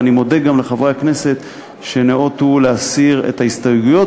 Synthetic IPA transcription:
nimo̞de̞ɡːamleχavʁeakne̞se̞t̪ | ʃeneʔot̪uleasiʁḛtaistaeɡujo̞

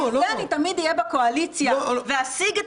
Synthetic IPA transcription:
eanit̪amid̪ijebakoalit͡sjaveasiɡ

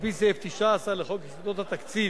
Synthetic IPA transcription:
piseft̪iʃaːsaleχokhisid̪ot̪hat̪akt͡si

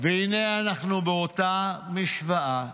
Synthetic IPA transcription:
veineanaχnubeot̪amiʃvaʔa

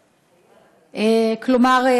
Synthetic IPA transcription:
ʔeklomaʁe

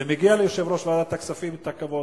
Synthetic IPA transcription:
emeɡialejoʃevɾoʃvadat̪aksafimt̪akavo

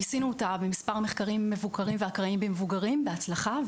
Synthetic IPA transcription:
jisinuotabemispaʁmeχkaʁimːevukaʁimveakʁaimbemevuɡaʁimbeat͡slaχa

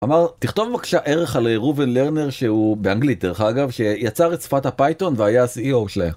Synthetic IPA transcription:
amaʁt̪iχt̪o̞vmakʃaʔeʁe̞χalʁubenleʁne̞ʁʃeubeaŋɡlit̪̚d̪eʁeχaɡavʃe̞jat͡saʁetsfat̪hapajt̪o̞nveajasiiowʃle

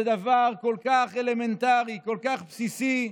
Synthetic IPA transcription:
əd̪avaʁkolkaχelemɛ̃nt̪aʁikɔlkaχpsisi

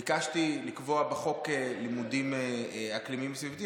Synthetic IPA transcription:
ikaʃt̪ilikvo̞abeχo̞kelimudimeaklimimsvivt̪i

